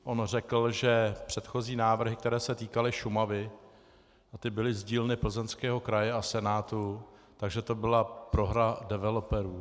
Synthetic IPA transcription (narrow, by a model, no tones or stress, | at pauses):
ʔo̞nr̝ɛkl̩ʒɛpr̝̥ɛt̪xo̞ziːnaːvr̩ɦɪk̚t̪ɛɾɛːsɛt̪iːkalɪʃumavɪ | ʔat̪ɪbɪlɪzɟiːlnɪpl̩zɛnskɛːɦo̞kɾajɛasɛnaːt̪u | t̪aɡʒɛt̪obɪlapɾo̞ɦɾadɛvɛlopɛɾuː